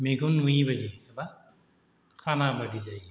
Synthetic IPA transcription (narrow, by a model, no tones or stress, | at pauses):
meɡunuibadiɛba | kʰanabadizaj